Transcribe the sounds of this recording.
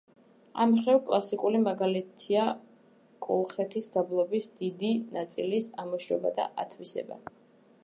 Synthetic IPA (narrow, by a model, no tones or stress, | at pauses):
amχɾɛvkʼlˠasikʼulimaɡalit̪ʰia | kʼɔlˠχɛt̪ʰisd̪ablˠɔbisd̪̥id̪inat̪sʼilisamɔʃɾɛ̰ba̰d̪a̰ʔat̪ʰwisɛ̰ba̰